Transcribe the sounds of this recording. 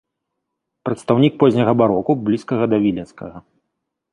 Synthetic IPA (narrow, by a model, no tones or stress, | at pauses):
pɾɐt̪st̪awnʲik̚pɔzʲnʲɐɣɐbaɾɔkublʲiskɐɣɐd̪ɐvʲilʲɛnskɐɣɐ